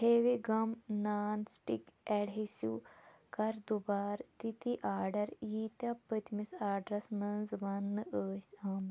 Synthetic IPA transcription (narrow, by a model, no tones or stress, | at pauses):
heːʋiɡɐmnaːnsʈḭkɛɽɦisṵkɐɾd̪ubaːɾt̪it̪iʔaːɾɖɐɾjiːt̪apət̪misaːɖɾɐsmɐnzʋɐnːɨʔəːsʲɐːm